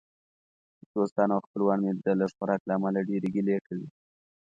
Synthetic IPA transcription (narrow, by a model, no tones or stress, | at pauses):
d̪̥ost̪ɑnawxpəlwɑnmed̪alaxaɾɑklaːmalaɖeɾeɡilekawi